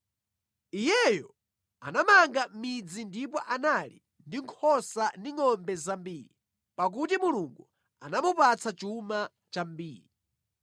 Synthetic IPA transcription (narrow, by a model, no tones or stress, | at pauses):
ijɛjɔ | a̰namaŋɡamid͡zindipɔʔanalḭ | ndiŋkʰɔsandiŋɔmbɛzambiːɾi | pak̬utimuluŋɡu | anamupat͡sʰat͡ʃuma | t͡ʃambiːɾi